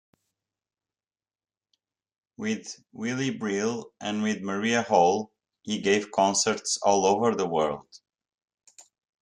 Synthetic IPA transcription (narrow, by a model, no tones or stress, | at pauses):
wɪð | wɪlˠibɹɪlˠʔɨ̃nwɪðməɹiəholˠ | hiɡeɪv̥kʰɔ̃nsə˞tsɔlˠoʊvə˞ðəwɜ˞lˠd̥